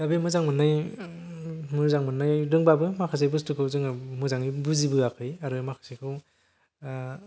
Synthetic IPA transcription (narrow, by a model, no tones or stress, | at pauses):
d̥abemɯzaŋmɯnːɯj | mɯzaŋmɯnːɯjdɯŋbabɯmakʰɯs̬ajbɯstukʰɯwzɯŋɯmɯzaŋnibuzibɯakʰɯjaɾɯmakʰɯ̥sikʰɯw